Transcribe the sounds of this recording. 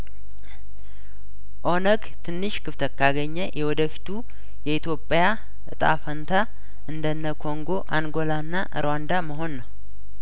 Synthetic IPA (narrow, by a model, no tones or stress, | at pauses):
ʔo̞nəɡt̪ʰɨnːɨʃkʰɨft̪ʰət̪kːʰaɡəɲːəjʔɛwɔd̪əfi̥t̪ʰu | jɛit̪ʰjo̞pʼja | ʔɨt̪ʼa̰fənt̪ʰa | ʔɨnd̪ənːəkʰo̞ŋɡo̞ʔaŋɡo̞lanːaʔɨ̰ɾwand̪aməɦo̞nːəw